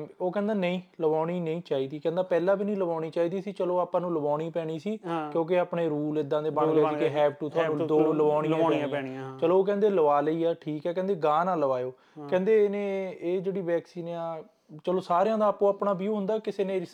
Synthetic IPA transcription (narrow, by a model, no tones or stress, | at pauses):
oːkɛ̃ːnd̪aːnəĩːləʋaːɽiːnəĩːt͡ʃaːiːd̪iːkɛ̃nd̪aːpɛːlãːbiːnĩːləʋaːɽiːt͡ʃaːiːd̪iːsiːt͡ʃəloːaːpãːnũːləbaːɽ̃iːpɛːɽ̃iːsiːkjõːk̬eaːpɳeːɾuːlɪd̪ãːd̪eːbãːeːikeːɦɛːp̚ʈuːt̪ʰʊaːnũːd̪oːləʋaːɽ̃iːit͡ʃəloːoːk̬ɛ̃ːnd̪eːləʋaːləiːɛːʈʰiːkɛːkɛ̃ːnd̪eːɡãːnãːləʋaːjoː | kɛ̃ːnd̪eːnẽːeːd͡ʒeːɽiːʋɛːksiːnaː | t͡ʃəloːsaːɾjãːd̪aːpõːaːpɳaːbiːõːɦʊ̃nd̪aːkɪseːnẽː